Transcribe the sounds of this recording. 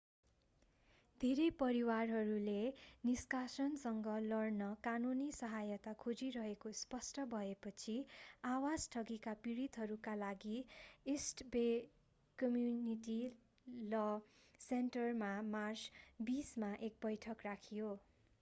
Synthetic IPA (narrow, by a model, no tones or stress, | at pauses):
d̪ʱeɾepʌɾiwarɦʌɾuleniskasʌnsʌŋɡʌlʌrnʌkanunisʌɦajʌt̪akʰod͡ziɾʌɦekospʌsʈʌbʱʌepʌt͡sʰiawad͡zʈʰʌɡikapiɾit̪ɦʌɾukalaɡiesʈbe | kʌmjuniʈi | lʌ | senʈʌrmamart͡sbismaʔek̚bʌjʈʰʌkrakʰijo